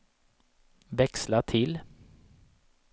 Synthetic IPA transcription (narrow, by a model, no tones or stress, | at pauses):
vɛkslaʈʰɪl